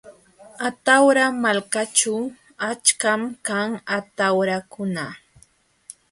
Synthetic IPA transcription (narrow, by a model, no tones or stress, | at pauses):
at̪awɾamalkat͡ʃʊ | at͡ʃkamkaŋat̪awɾakʊna